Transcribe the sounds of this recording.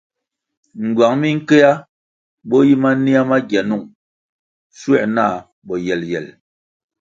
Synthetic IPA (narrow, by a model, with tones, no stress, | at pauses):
ŋ̩˨ɡwa˨ŋmi˦ŋ̩˦ke˦ja˦ | bɔ˦ji˦ma˦ni˦a˦ma˦ɡɛ˨nu˦˨ŋ | swɛ̰˦˨ʔna˦˨ | ɓɔ˨jɛ˨ljɛ˨l